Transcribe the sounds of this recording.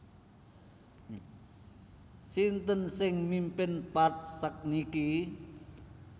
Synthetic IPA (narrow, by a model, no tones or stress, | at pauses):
sint̪ənsɪŋmimpɪnpat̪̚sək̚niki